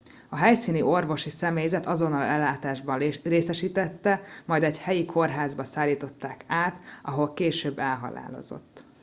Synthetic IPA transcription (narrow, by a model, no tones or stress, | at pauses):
ɒɦɛjsiːnio̞rvo̞ʃisɛmeːjzɛt̪ɒzo̞nːɒlɛlːaːt̪aːʒbɒreːsɛʃiːt̪ɛt̪ːɛmɒjd̪ɛɟhɛjikʰo̞rɦaːzbɒsaːlːiːt̪o̞t̪ːaːkaːt̪ʔɒɦo̞lkeːʃøːbːɛlɦɒ̰la̰ːlo̞̰zo̞̰t̪ː